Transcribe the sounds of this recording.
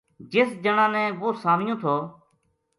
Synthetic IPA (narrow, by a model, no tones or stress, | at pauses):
d͡ʒɪsd͡ʒəɳãːnɛ̃ːʋoːsaːmɪjõːt̪ʰoː